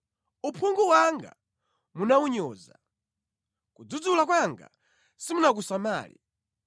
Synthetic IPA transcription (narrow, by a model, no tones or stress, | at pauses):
upʰuŋɡuwaŋɡa̰ | munawuɲɔːza̰ | kud͡zud͡zulak̬waŋɡa̰ | simunak̬usamaːlḭ